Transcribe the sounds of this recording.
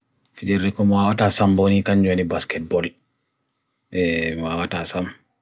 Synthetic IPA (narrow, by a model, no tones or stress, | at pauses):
fid͡ʒɛɾdɛkɔmɔwawatasambonikaɲd͡ʒonibaskɛt̚bɔl | ɛmwawatasam